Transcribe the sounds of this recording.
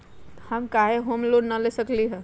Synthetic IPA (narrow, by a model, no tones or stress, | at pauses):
həmkaɦeɦomloɖnəlesəkliɦɛ̃